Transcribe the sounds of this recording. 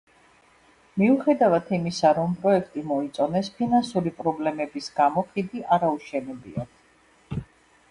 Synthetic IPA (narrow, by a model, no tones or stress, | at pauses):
miuχɛd̪avat̪ʰimisaɾɔmpʼɾɔɛkʰt̪ʼimɔit̪sʼɔnɛspʰinansuɾipʼɾɔblɛmɛbisɡamɔχid̪iʔaɾauʃɛnɛbḭat̪